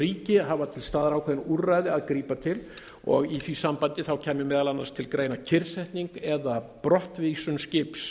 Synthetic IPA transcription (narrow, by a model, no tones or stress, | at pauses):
iːcɪɦavat̪ʰɪlst̪aːðɾaːwkʰɛðɪnuɾrajðɪaðkɾiːpat̪ʰɪl | ɔ̰ɣiθvisampant̪ɪθawcʰɛːmɪmɛːðalanːa̰ɾst̪ʰɪlkɾeːjnacʰɪɾsɛht̪niŋkɛðapɾɔht̪visʏnscɪps